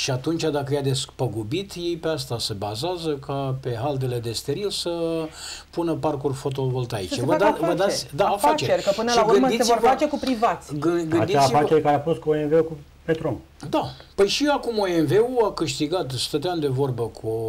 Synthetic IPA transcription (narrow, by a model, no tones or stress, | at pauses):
ʃiat̪unt͡ʃad̪akəjad̪e̞spəɡubit̪je̞jpeas̬t̪ase̞bazeazəkʰape̞ɦald̪e̞le̞d̪e̞st̪e̞ɾilsə | punəparkurfo̞t̪̬o̞vo̞lt̪aḭt͡ʃevəd̪vəd̪asʲd̪afat͡ʃet͡ʃeɾʲkəpɨnəlaməsisevorfat͡ʃe̞kupɾivat̪sʲɡɨɡɨnd̪isifat͡ʃeɾkaɾeafost̪̚kuoenve̞uku | pet̪ɾom | d̪apəjʃiakumoenve̞uakɨʃt̪iɡat̪st̪ət̪eɪamd̪e̞vo̞rbəkʰu